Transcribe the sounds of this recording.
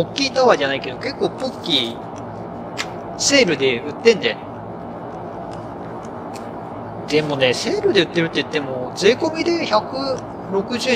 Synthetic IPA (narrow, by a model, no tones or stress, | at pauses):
okʲːiːt̪aβaʑanaike̞d̪o̞ke̞kːoːpokʲːi | se̞ːɾɯ̟d̪e̞ɯ̟t̪ːẽ̞nd̪e | d̪e̞mo̞ne̞se̞ːɾɯ̟d̪e̞ɯ̟t̪ːe̞ɾɯ̟t̪ːei̟t̪ːe̞mo̞t͡sɨiko̞mʲid̪e̞çakɯ̟ | ɾo̞kɯ̟ʑɨː